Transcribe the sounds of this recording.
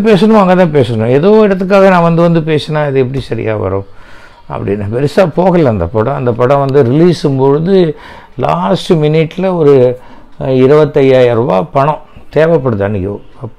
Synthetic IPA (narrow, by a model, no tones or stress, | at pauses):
peːsɐɳʊ̃maŋɡɐt̪ãːpeːsɐɳõɛðoːɪɽɐt̪ːɯk̬ːaːɣɐnãːʋɐnd̪ɯʋɐnd̪ɯpeːsẽnːaːɪðɯɛp̬ːɐɽisɐɾɪ̰ja̰ːʋɐ̰ɾõː | ɐ̰pːɐɽɪnːɐpɛɾɪsaːpoːɣɐlːɐɐnd̪ɐ̰pɐɽɐ̃ɐnd̪ɐpɐɽɐ̃ʋɐnd̪ɯɾɪliːsɯmpoɻɯðɯ | la̰ːsʈɯmɪnɪʈːɪlɐɔɾɯ | ɪɾɯbɐt̪ːɐjaːjɐɾʋa̰ːpɐɳɔ̃ | t̪eːʋɐpːɐɽɯðɯɐnːɪkːɐʋõ̰ɐpː